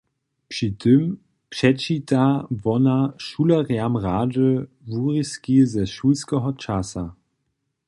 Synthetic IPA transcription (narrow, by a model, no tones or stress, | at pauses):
pʂitʰɪm | pʂɛt͡ʃitavɔnaʃulɐʁjamʁaːʒə | vuʁiskizɛʃulskɛɦɔt͡ʃasa